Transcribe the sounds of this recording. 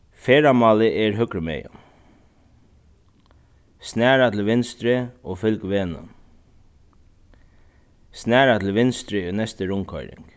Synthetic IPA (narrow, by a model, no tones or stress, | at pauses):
feːɾamɑːlɪʔɛɾɦʏkɾəmɛ̰ja̰ | snæːɾat̪ʰɪlʋɪnst̪ɾɪɔfʏlkʋeːnə̰n | snæːɾat̪ʰɪlʋɪnst̪ɾɪonɛst̪əɾʊŋkʰɔ̰jɾɪ̰ŋk